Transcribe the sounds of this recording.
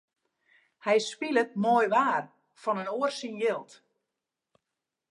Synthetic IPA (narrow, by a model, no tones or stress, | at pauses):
hɛjspilət̚mojʋaːr | fɔnənoərsinjɪlˠt